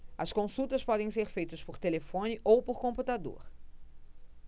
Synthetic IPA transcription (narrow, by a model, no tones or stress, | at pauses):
ɐskõsut̪ɐspɔd̪ẽj̃seɾfejt̪ɐspoɾt̪elefõnɪʔowpoɾkõput̪ad̪o̰ɾ